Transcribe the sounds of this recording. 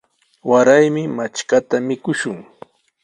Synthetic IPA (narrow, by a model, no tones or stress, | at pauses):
waɾajmɪmat͡ʃkat̪amɪkʊʃʊŋ